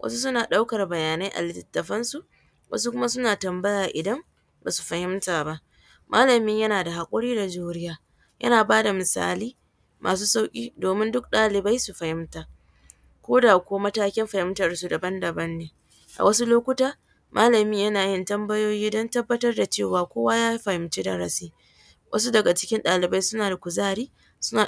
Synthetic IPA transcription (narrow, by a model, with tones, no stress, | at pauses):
wʔɐ̰˦su˦s̬ʊ˦naː˨ɗa˦wkɐ˨rbɐ˨jaː˨na˦jʔa̰˨lɪ˦tɐ˨˦tːɐ˨ɸɐ˦nsu˨ʔ | wʔɐ̰˦s̬u˦kʷʊ˦ma˦sʊ˦naː˨tɐ˨mbɐ˦jaː˨ʔɪ˨dɐ˦m | ba̰ː˨su̥˨ɸɐ˨hɪ˦mtaː˨ba˦ʔ | mʔaː˦lɐ˨mɪ˦ɲjɐ˦naː˨da˨ha˨kʷʼʊ˦ɽiː˦da˨d͡ʒuː˦ɾɪ˦jaː˦ | jʔɐ̰˦naː˨baː˦da˨mɪ˨sa̰ː˦liː˦ | mʔa̰ː˨s̬uː˦sa˦wkʲʼḭː˦doː˨mɪ˦ndʊ˦k̚ɗaː˦lɪ˨ba˦jsu˨ɸɐ˨hɪ˦mtaː˨ | kʷoː˦daː˨kʷoː˦mɐ˦taː˦kʲɪ˦mɸɐ˨hɪ˦mtɐ˨rsu˨dɐ˨bɐ˦ndɐ˨bɐ˦nːeː˦ | ʔa̰˨wɐ˦su˦loː˦kʷʊ˦taː˦ | mʔaː˦lɐ˨mɪ˦ɲjɐ˦naː˨jɪ˦ntɐ˦mbɐ˦joː˦jiː˦dɔ˦ntɐ˦bːɐ˦tɐ˦rda˨t͡ʃeː˦˨waː˨kʷoː˦waː˦jaː˦ji˦ɸɐ˨hɪ˦mt͡ʃe˦da˨ɾa̰˦siː˦ | wʔɐ̰˦s̬u˦dɐ˨ɡa˨t͡ʃɪ̥˦kʲɪ˦nɗaː˨lɪ˨ba˦jsʊ˦naː˨da˨kʷʊ˨zaː˦ɾiː˦ | sʊ˦naː˨